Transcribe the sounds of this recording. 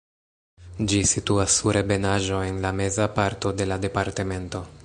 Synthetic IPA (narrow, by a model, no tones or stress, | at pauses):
d͡ʒisituasːuɾʔebe̞naʒo̞e̞nlame̞zapaɾto̞de̞lade̞paɾte̞me̞nto̞